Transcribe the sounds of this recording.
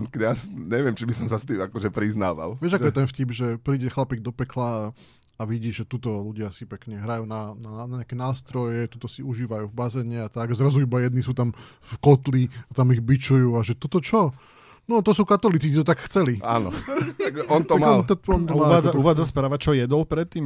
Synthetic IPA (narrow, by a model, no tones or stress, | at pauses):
kɛasɲɛʋɪɛmt͡ʃibisɔmsast̪iːmakɔʒɛpɾizna̰ːʋa̰lʋɪɛʒaɔjɛt̪ɛnfcibʒɛpɾiːɟɛxlapiɡ̚d̪ɔpɛkla | aʋiɟiːʒɛt̪ut̪ɔluɟɪasipɛkɲɛɦɾajuːnananɲɛakɛnaːst̪ɾɔjɛt̪ut̪ɔsiuʒiːʋajuːvbazɛːɲɛat̪aɡazɾazuibajɛd̪nisuːt̪am | fkɔt̪liat̪amiɣbit͡ʃujuːaʒɛt̪ɔt̪ɔt͡ʃɔ | nɔt̪ɔsuːkat̪ɔlit͡sisit̪ɔt̪akxt͡sɛlia̰nɔ̰aɡɛʔɔnt̪ɔamaɔlt̪ɔɔnt̪ɔmaad͡zauʋaːd͡zaspɾaːʋat͡ʃɔjɛd̪ɔlpɾɛt̪ːiːm